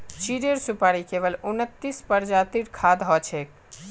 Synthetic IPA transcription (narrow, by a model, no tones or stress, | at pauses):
t͡ʃiɾeɾsupaɾikeβəlunət̪ːispəɾd͡ʒat̪iʈkʰad̪ɦɔt͡ʃʰek